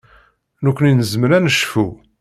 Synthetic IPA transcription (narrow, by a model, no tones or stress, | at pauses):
nukʷːninəzmɾænəʃfu